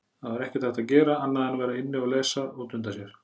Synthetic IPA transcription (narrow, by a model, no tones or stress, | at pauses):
θaðvaɾɛhcɪt̪θɛht̪aðcɛːɾaanːaðɛnavɛːɾaɪnːɪaɣleːsauːt̪ʏmnt̪̬asjɛɾ̥